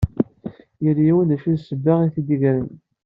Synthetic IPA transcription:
jəɾjiwənæʃiðsəbːaʁiθid̪əʝɾən

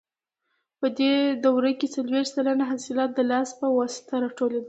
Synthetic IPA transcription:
pəd̪ed̪awɾəjket͡salwexsalanaɦasɪlɑt̪̚d̪əlɑspəwɑsɪ̥t̪aɾɑʈoled̪a

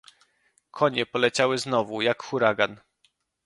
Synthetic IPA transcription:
kʰɔɲɛpɔlɛt͡ɕawɘznɔvujakxuɾaɡan

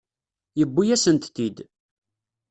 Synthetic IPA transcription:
jəbːujæsənt̪θid̪

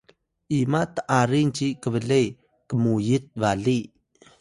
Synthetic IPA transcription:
ʔimat̪əʔaɾint͡ʃikəβəɮej | kəmujit̪̚vaɮi

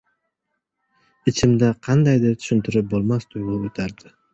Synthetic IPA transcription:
ɪt͡ʃʰɪmd̪aqʰɑnd̪ajd̪ɪɾt̪ʰʊ̥ʃʏnt̪ʰɪɾɪp̚bolˠmast̪ʊjʁʊut̪ʰaɾd̪ɪ

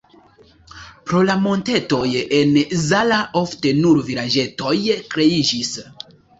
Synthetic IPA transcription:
pɾo̞lamo̞nte̞to̞je̞nzalaʔo̞fte̞nuɾviɾad͡ʒe̞to̞jkɾe̞id͡ʒis

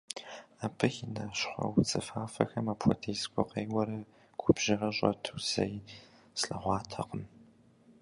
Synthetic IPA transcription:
aːpʰɨxɪnɐʃχʷɔ̰wt͡sʼɨfaːfɐxɐmaːpʰʷɔtʰejzkʷʼʊqeːjwɐɾɐ | ɡʷʊbʒ̥ɪʁɐɕʼɔtʰuwz̥ɐ̰j | sɬɐʁʷɑːtʰɐqəm

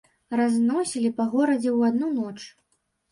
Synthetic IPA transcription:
raznɔsʲilʲipɐɣɔɾɐd͡zʲɛwad̪nunɔt͡ʂ

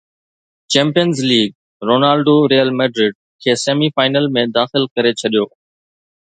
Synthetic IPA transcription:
t͡ɕɛ̃ːmpijənzliːɡ̚ | ɾoːnaːlɖoɾeːjəlmeːɖɾɪɖ̚kʰeːseːmifaːɪnəlmẽd̪aːxɪlkɐɾet͡ɕʰɐɗijoː

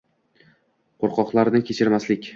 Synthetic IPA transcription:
qʰoɾqɒqlˠaɾnɪkʲʰet͡ʃʰɪɾmaslɪkʲ

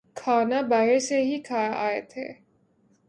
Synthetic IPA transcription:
kʰaːnabaɦɪɾseɦikʰaːaːet̪ʰḛː

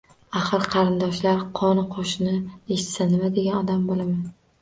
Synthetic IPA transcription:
aχɨɾqʰɑɾɪnd̪ɒʃlaɾqʰɒnqʰoʃɪnɪeʃɪt̪sanɪmad̪eɡʲanɒd̪ambolaman

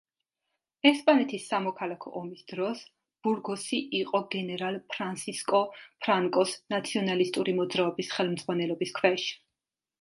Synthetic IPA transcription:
ɛspʼanɛt̪ʰisːamɔkʰalˠakʰɔ̰ʔɔmisd̪̥ɾɔs | b̥uɾɡɔsiʔiqʼɔɡɛnɛɾalˠpʰɾansiskʼɔpʰɾaŋkʼɔsnat̪sʰiɔnalist̪ʼuɾimɔd̪zɾaɔbisχɛlˠmd̪z̥ʁwanɛlɔbiskʰwɛʃi̥

